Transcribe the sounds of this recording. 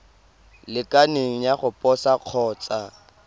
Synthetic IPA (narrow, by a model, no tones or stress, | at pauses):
lɪkʼaneŋ̩jaχʊpʼɔsaq͡χʰɔːt͡sʼa